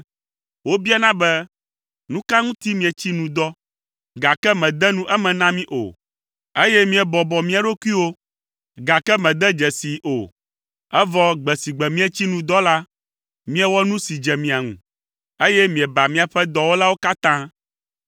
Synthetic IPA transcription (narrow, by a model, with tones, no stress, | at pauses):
wo˦bi˦a˦nã˦bɛ˦ | nũ˦ka˦ŋũ˦t̪i˦mĩ˨ɛ˨t͡ɕi˦nũ˨d̪ɔ˦ | ɡa˨kɛ˦mɛ̃˨d̪ɛ˦nũ˦ʔɛ˦mɛ̃˨nã˦mĩ˦ʔo̰˨ | e˦jɛ˦mĩ˨ɛ˨bɔ˨bɔ˨mĩ˦a˨ɖo˦ku˦i˦wo˦ | ɡa˨kɛ˦mɛ̃˨d̪ɛ˦d͡ʒɛ˨si˨ʔo˨ | ɛ˦vɔ˦ɡ͡bɛ˨si˨ɡ͡bɛ˨mĩ˦ɛ˨t͡ɕi˦nũ˨d̪ɔ˦la˦ | mĩ˦ɛ˨wɔ˦nũ˦si˨d͡ʒɛ˨mĩ˨a˨ŋṵ̃˨ | e˦jɛ˦mĩ˨ɛ˨ba˨mĩ˦a˨ɸɛ˦d̪ɔ˨wo˦la˦wo˦ka˦t̪ã˦